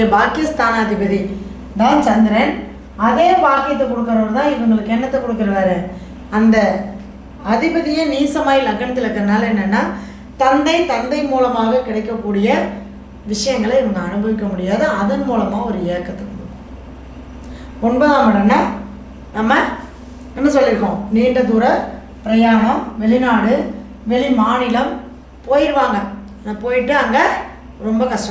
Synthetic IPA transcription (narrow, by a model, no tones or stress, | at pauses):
ɐbaːkɪst̪aːnɐðɪbɐði | d̪aːnt͡ʃɐnd̪ɪɾeːn | ɐðeːpaːɾkɐjɐt̪ːɐkɔɽɯkːɐɾɐoːɾt̪ãːɪʋɐŋɡɐɭɯkːɛɳːɐt̪ːɐkɔɽɯkːɐɾɐʋaːɾɯ | ɐnd̪ɐ | ɐðɪbɐðɪjɐniːsɐmaːjɐlɐɣɐnɐt̪ːɪlɐkːɐɾɐnaːlɛnːɐnːaː | t̪ɐnd̪ɐɪt̪ɐnd̪ɐɪmuːlɐmaːɣɐkɪɽɐɪkːɐkːuːɽɪjɐ | ʋɪʂɐjɐŋɡɐɭɐɛʋɐŋɡɐɐnɯbɐʋɪkːɐmʊɽɪjaːðɯɐðɐnmuːlɐmaːɔɾɯeːkːɐt̪ːɯkːɐmʊɽ | ɔnbɐːðaːŋɐɽɐnːaː | nɐmːɐ | ɪmːɐsɔlːɪɾɯkːõːniːɳɖɐðuːɾɐ | pɪɾɐjaːɳɐmʋɛɭɪnaːɽɯ | ʋɛɭimaːnɪlɐm | poːjɪɾɯʋaːŋɡɐ | naːpoːjɪʈːɯɐŋɡɐ | ɾɔmbɐkɐʂʈɐ